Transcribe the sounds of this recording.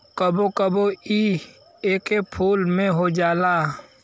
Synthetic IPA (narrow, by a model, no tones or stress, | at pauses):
kəbokəboiː | eːkepʰuːlmẽɦod͡ʒaːlaː